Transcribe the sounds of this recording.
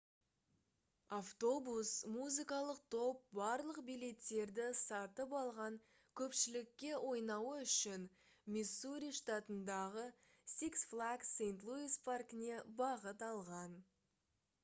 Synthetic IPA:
aft̪o̞busmuzɨkɑlˠəq̚t̪ʰo̞p̚bɑɾlˠəqbijle̞t̪ːe̞ɾd̪ɪsɑt̪əpɑlˠʁɑŋ | kʲʰɵpʃɪlɪkʲːe̞wʔo̞jnɑwəʏʃɪn | mʲisuɾʲijʂt̪at̪ənd̪ɑʁə | siksflˠaɡsejnt̪lˠuispʰarkɪne̞bɑʁət̪ɑlˠʁɑn

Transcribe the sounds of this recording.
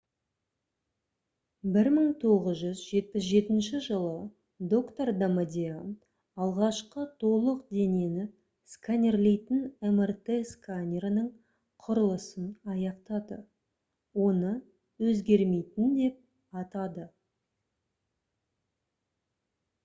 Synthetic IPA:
bɪɾməɴt̪ʰo̞ʁəzʒʏzʒe̞t̪̚pɪsʒe̞t̪ɪnʃɪʒəlˠə | d̪o̞kt̪ord̪amad̪ʲean | ɑlˠʁɑʃqət̪ʰo̞lˠəq̚d̪e̞ne̞nɪ | skanʲerle̞jt̪ɪnemert̪eskanʲeɾnəɴ | qʰʊɾəlˠəsənɑjɑqt̪ɑd̪ə | wo̞nə | wɵzɡʲe̞ɾme̞jt̪ɪnd̪e̞p̚ | ɑt̪ɑd̪ə

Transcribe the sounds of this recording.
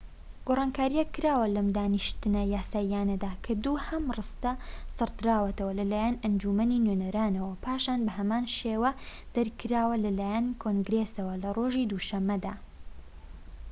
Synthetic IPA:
ɡ̥orˤɑːnkaːɾijɛkːɨɾaːwɐlɐmd̪aːnɨʃt̪ɨnɐjaːsaːijaːnɐd̪aːkʰɐd̪uhɐmrɨst̪ɐsɨɾd̪ɨɾaːwɐt̪ɐwɐlɐlaːjanɐnd͡ʒumɐninɥenɐɾaːnɐwɐpʰaːʃaːnbɐɦɐmaːnʃeːwɐ | d̪̥ɐɾkʰɨɾaːwɐlɐlaːjɐnkʰoŋɡɾesɐwɐlɐrʔoːʒid̪uʃɐmːɐd̪aː

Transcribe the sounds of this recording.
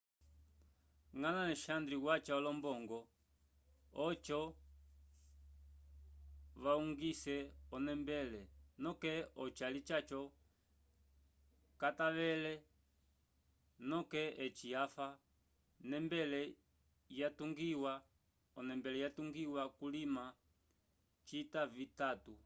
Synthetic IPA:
ŋanalɛʃandɾiwat͡ʃaɔlɔmbɔŋɡɔ | ɔt͡ʃɔ | ʋauŋɡisɛɔnɛmbɛlɛnɔkɛɔt͡ʃalit͡ʃat͡ʃɔ | kataʋɛlɛ | nɔkɛɛt͡ʃiafa | nɛmbɛlɛ | jatuŋɡiwa | ɔnɛmbɛlɛjatuŋɡiwakulima | t͡ʃitavitatu

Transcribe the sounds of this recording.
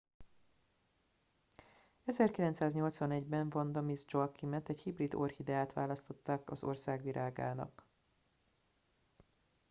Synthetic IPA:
ɛzɛrkilɛnt̪saːzɲo̞lt̪sʋɒnɛɟbɛɱvɒnd̪ɒmizd͡ʒokːimɛt̪ɛchibrid̪orhid̪ɛaːt̪ʋaːlɒst̪o̞t̪ːaːkɒ̰zo̞̰rsaːɡʋiɾʔaːɡa̰ːnɒ̰k

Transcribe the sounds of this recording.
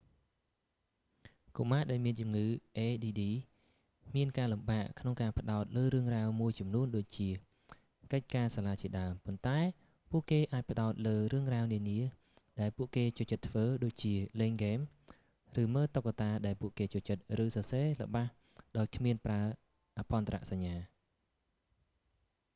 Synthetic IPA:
kumaːɗaɛlmiənt͡ɕumŋɨːʔeːɗiːɗiː | miənkaːlumɓaːʔkʰnoŋkaːpə̆ɗaɔt̪̚ləːɾɨəŋraəwmuəjt͡ɕɑmnuənɗoːc̚t͡ɕiə | kəc̚kaːsaːlaːt͡ɕiəɗaəmpont̪aɛ | puəʔkeːʔaːc̚pə̆ɗaɔt̪̚ləːrɨəŋraəwniəniə | ɗaɛlpuəʔkeːt͡ɕuəht͡ɕət̪ːʰʋəːɗoːc̚t͡ɕiəleːŋɡeːm | rɨːməːt̪okːat̪aːɗaɛlpuəʔkeːt͡ɕuəht͡ɕət̪̚rɨːsɑːseːlə̆ɓah | ɗaɔckʰmiənpraə | ʔapɑnt̪ra̰ʔsaɲːaː

